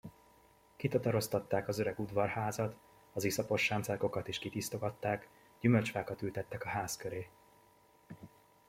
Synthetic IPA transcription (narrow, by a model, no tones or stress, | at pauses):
kit̪ɒt̪ɒɾo̞st̪ɒt̪ːaːkɒzøɾɛɡud̪vɒrhaːzɒt̪ | ɒzisɒpo̞ʃːaːnt̪sɛko̞kɒt̪iʃkit̪ist̪o̞ɡɒt̪ːaːk | ɟymølt͡ʃʋaːkɒt̪ylt̪ɛt̪ːɛkɒɦaːskøɾeː